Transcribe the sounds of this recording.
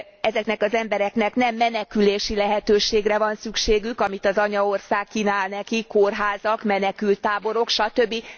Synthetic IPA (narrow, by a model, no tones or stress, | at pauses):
ɛzɛknɛkɒzɛmbɛɾɛknɛknɛmːɛnɛkyleːʃilɛɦɛt̪øːʃeːɡrɛvɒnsykʃeːɡykɒmit̪ɒzɒɲɒo̞rsaːkːinaːlnɛkikorɦaːzɒkmɛnɛkylt̪ːaːbo̞ɾo̞kʃɒt̪ø̞bːi